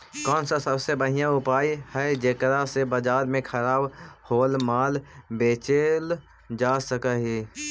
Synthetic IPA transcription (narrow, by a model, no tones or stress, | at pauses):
kɔːnsasəbsebəɦɪjãʊpaːihɛd͡ʒeːkɾasebəd͡ʒaːɾmẽkʰəɾaːbhoːlmaːlbeːt͡ʃel | d͡ʒaːsəkaɦiː